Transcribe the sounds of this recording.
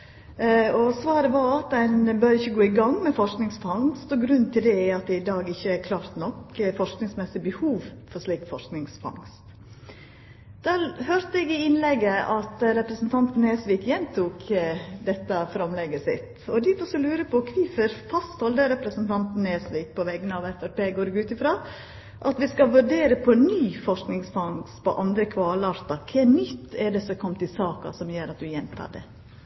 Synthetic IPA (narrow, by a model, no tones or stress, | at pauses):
ɔsʋɑːɾəʋɑɾɑt̪̚dæɪnbœɾɪçːəɡoːɪɡɑŋːmɛfɔʂknɪŋsfɑŋst̪ɔɡɾʉnt̪ʰɪld̪ɛɑt̪̚d̪ɛɪd̪ɑːɡɪçːəæɾkʰlɑːɾt̪nɔkfɔʂknɪŋsmɛsɪbəhuːʋfɔʂliːkfɔʂknɪŋsfɑ̰ŋst̪ | d̪̥æːɾhøːɾt̪əɛɡɪɪnlɛɡəʔɑt̪ɾɛpɾəsn̩t̪ʰɑnt̪n̩ɛːsʋɪːkjɛnt̪ʰuːkd̪ɛt̪ːəfɾɑmlɛɡəsɪ̰t̪ | ɔd̪ɪɔsɔlʉːɾəpʰɔkʰʋiːfəɾfɑst̪hɔld̪əɾɛpɾəsənt̪ʰɑnt̪n̩esʋiːk̚pʰɔʋɛɡənəɑʋɛfæɾpeːɡoːɾɪɡʉːt̪ɪfɾɑː | ʔɑt̪ʋɪskɑʋʉɾɖeːɾəpʰɔnyːfɔʂknɪŋsfɑŋspɔ̰ʔɑnd̪ɾəkʰʋɑːlɑɾt̪ɑkʰɛːnʏt̪ːɛɖɛsɔkʰɔmt̪ɪsɑːkɑ̰sɔmjøːɾɑt̪̚d̪ʉjɛnt̪ʰɑ̰ːɖɛ̰